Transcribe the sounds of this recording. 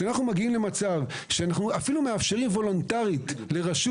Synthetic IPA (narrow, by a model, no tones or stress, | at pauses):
anaχnumaɡiimle̞mat͡sav | ʃeanaχnuafilumeafʃe̞ʁimvo̞lo̞ntaʁit̪le̞ʁaʃu